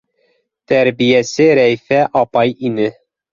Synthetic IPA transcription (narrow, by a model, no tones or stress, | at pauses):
t̪æɾbijæsɘɾæfæʔɑpɑjinɘ